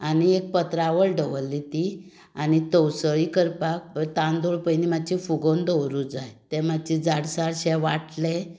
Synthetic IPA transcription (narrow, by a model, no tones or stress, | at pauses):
aniek̚pət̪ɾaʋəɭɖəʋəlːit̪i | anit̪əwsəɭikəɾpak̚t̪ãnd̪oɭpəjnimat͡ɕifuɡond̪əwɾud͡zajt̪ɛmat͡ɕid͡zaɽsaɽɕɛ̃ʋaʈlẽ